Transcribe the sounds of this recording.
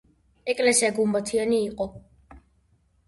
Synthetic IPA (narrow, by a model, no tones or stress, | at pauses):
ɛkʼlɛsiaɡumbat̪ʰianiːqʼɔ